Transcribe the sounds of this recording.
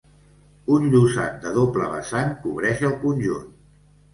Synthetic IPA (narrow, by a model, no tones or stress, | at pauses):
unʎuza̰t̪̚d̪əðopləβə̰saŋkuβɾɛʃəlˠkunʲʒun